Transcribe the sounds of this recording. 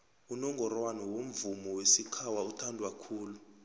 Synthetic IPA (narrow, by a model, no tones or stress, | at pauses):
unɔŋɡɔrwanɔwom̩vumɔwesikʰawautʰandʱwakʰuːlu